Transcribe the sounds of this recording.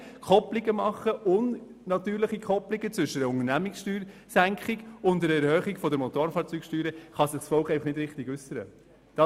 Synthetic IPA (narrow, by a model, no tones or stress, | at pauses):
kʰɔpliɡəmɑχːəʔʊn | nɑt̪yːɾləχikʰɔplɪɡət͡sʋʏʃəʊŋənæmɪksʃtyːɾsæŋkχɪɡʊntdəɾɛɾhœːχiɡ̥fɔdəɾmɔt̪oːɾfɑːɾt͡syːkʃtyːɾəχɑsɪχsfɔlkɛɪfɑχnɪdɾɪχtɪɡʉsːəɾə̰ | d̥ɑ